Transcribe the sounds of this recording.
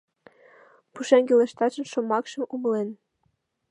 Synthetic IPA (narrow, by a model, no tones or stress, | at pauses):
puʃeŋɡileʃt̪ɑt͡ɕə̆nʃomɑkʃə̆muməlen